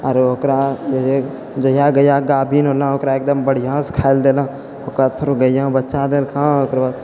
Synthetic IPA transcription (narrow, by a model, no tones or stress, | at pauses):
əɾokɾãd͡ʒoe | d͡ʒojaːɡəjaɡaːbʱiːnɦoːlãːoːkɾaeːk̚d̪əmbəɽ̤ijãːskʰaːɪld̪eːlãː | okaːt̪̚pʰəɾoɡəjãːbətːt͡ʃaːd̪eːlkʰãːokɾbaːd̪̚